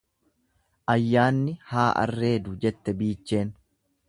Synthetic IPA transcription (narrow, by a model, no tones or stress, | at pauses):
ʔɐjːaːnːɪhaːʔɐ̰rːe̞ːd̪ʊd͡ʒɛt̪ːɛbiːt͡ʃːe̞ːn